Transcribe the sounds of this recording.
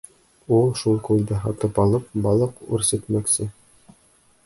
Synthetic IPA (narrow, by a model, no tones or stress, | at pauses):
ulˠʃulˠkulʲd̪ɘɦɑt̪ɤpɑlˠɤp̚bɑlˠɤqʉ̰ɾsɘ̆t̪mæksɘ